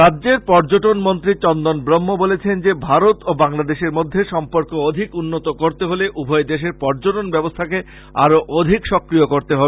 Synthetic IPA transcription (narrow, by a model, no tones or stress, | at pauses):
ɾadːd͡ʑeɾpɔɾd͡ʑoʈonmont̪ɾit͡ɕɔnd̪onbɾomːobolet͡ɕʰend͡ʑebʱaɾot̪obaŋlad̪eʃeɾmod̪ʱːeʃɔmpoɾkood̪ʱikunːot̪okoɾt̪eɦoleʔubʱɔed̪eʃ̬eɾpɔɾd͡ʑoʈonbɛbost̪ʰake | a̰ɾoʔod̪ʱikʃɔkɾijokoɾt̪eɦɔbe